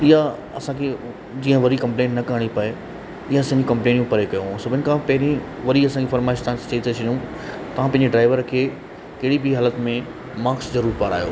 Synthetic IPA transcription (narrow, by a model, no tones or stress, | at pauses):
ɪɦa | ɐsãːkʰe | d͡ʑiːə̃ʋɐɾikɐ̃mplẽːnʈnɐkɐɦəɽ̃ipɐe | ɪɦãɐsãɪ̃ɲd͡ʑĩkɐ̃mpleːnjũpɐɾekɐjõsɐbʱɪnɪkʰãpɐɦɪɾĩʋɐɾiɐsãːd͡ʑifɐɾmaːɪʃt̪ãːt͡ɕɐit̪ʰɐt͡ɕʰɐnjũ | t̪ɐʋ̤ãpɐ̃ɦɪ̃ɲd͡ʑeɖɾaːɪʋəɾkʰeː | kɐɦɪɽibiɦaːlət̪mẽ | maːkszɐɾuːɾpaːɾa̰ːijo̰ː